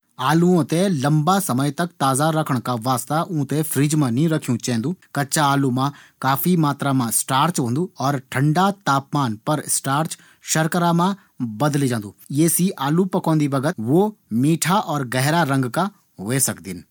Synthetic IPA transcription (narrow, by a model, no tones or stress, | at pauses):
aːluõt̪elɐmbasɐməjt̪ɐkt̪aːzaɾɐkʰəɽ̃kaʋaːst̪aʔũːt̪efʰɾiːd͡ʒmãnĩɾɐkʰijũt͡ʃɛ̃ːnd̪uːkɐtːʃaaːlumãkaːfʰimaːt̪ɾamãsʈaːɾt͡ʃɦõːnd̪uɔːɾʈʰə̃ɳɖat̪aːpmaːnpɐɾɪsʈaːɾt͡ʃ | ʃɐɾkəɾamã | bɐd̪lid͡ʒãːnd̪uːjeːsiʔaːlupɐkɔ̃ːnd̪ibɐɡət̪ʋomiːʈʰaʔɔːɾɡɛɦɾaɾɐ̃ŋɡka | ʋoesɐkd̪ɪn